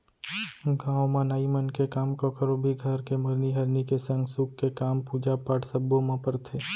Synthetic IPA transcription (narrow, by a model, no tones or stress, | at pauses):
ɡãːõmãnaːimənkekaːmkokʰəɾobʱiɡʱəɾkemɐɾniɦɐɾnikesə̃ŋɡsukkːekaːmpuːd͡ʒapaːʈsəbːõmãpəɾt̪ʰeː